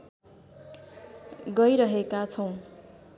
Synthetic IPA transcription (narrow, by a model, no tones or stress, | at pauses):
ɡʌjɾʌɦekat͡sʰʌw̃